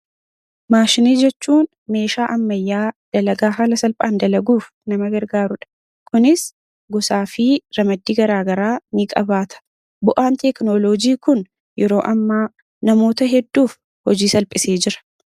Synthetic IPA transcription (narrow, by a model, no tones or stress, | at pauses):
maːʃɪniːd͡ʒɛt͡ʃːuːn | me̞ːʃaːʔɐmːɐjːaːd̪̥ɐlɐɡaːɦaːlɐsɐlpʼaːnd̪ɐlɐɡuːf | nɐmɐɡɐɾɡaːɾʊᶑɐ̥ | kʊnɪs | ɡɔsaːfɪɾɐmɐd̪ːiːɡɐɾaːɡɐɾaːnikʼɐbaːt̪ʰɐ̥ | bʊʔaːnt̪ɛknoloːd͡ʒiːkʊn | jʔɛɾo̞ːʔɐmːaː | nɐmo̞ːt̪ɐɦɛd̪ːuːf | hɔd͡ʒiːsɐlpʼɪseːd͡ʒɪɾɐ̥